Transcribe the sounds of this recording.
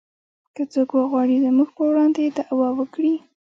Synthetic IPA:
kət͡sokwəɣwɑɽizəmuɡpəwɽɑnd̪ed̪aʔwɑwəkɽi

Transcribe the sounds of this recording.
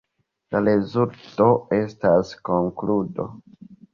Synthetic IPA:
laɾezulto̞e̞stasko̞ŋkludo̞̰

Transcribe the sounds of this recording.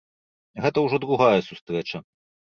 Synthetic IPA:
ɣɛt̪ɐwʐɔd̪ɾuɣajɐsust̪ɾɛt͡ʂɐ

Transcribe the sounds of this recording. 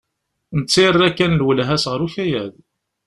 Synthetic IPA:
nət͡sːirːækːænlwəlɦæsʁəɾuçæjæð

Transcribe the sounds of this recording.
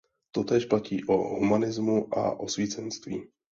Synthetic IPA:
t̪o̞t̪ɛːʃplaciːʔoɦumanɪzmuʔa̰ʔo̞sviːt͡sɛnst̪viː

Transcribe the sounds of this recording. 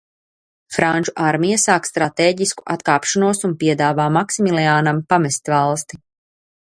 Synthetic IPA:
fɾanʲt͡ʃuʔaɾmijasaːkst̪ɾat̪eːɟisku̥ʔat̪kaːpʃanuɔsunpiɛd̪aːvaːmaksimilˠiaːnampamɛst̪ʲvalˠst̪i

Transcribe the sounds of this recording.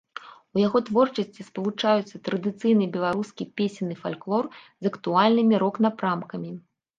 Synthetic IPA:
ujaɣɔt̪vɔrt͡ʂɐsʲt͡sʲispɐlˠut͡ʂajut̪sːɐt̪ɾɐd̪ɨt̪sɨjnɨbʲɛlˠaɾuskʲipʲesʲinːɨfalʲklˠɔr | zɐkt̪ualʲnɨmʲiɾɔknapɾamkɐmʲi

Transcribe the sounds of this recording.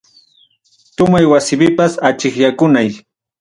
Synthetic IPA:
t̪ʊmajwasɪpɪpasat͡ʃɪχjakʊnaj

